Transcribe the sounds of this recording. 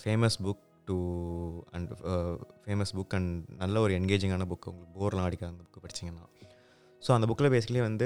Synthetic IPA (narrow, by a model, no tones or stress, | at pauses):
feːmɐsbʊk | ʈu | ɐ̰ɳɖfeːmɐsbʊkːɐɳnɐlːɐɔɾɯɛɳɡeːd͡ʒɪŋɡaːnɐbʊkːʊ̰ŋɡɐɭɯkːɯboːɾlãːɐɽɪkːaːɐŋɡɐbʊkːɯpɐɽɪ̥t͡ʃːɪŋɡɐnːã̰ː | soːɐnd̪ɐbʊkːɪlɐpeːsɪkɐɭeːʋɐnd̪ɯ